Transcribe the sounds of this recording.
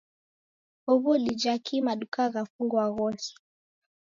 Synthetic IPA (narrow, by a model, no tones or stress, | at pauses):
ɔβɔlid͡ʒakʰimaɗukaɣafuŋɡwaɣɔsi̥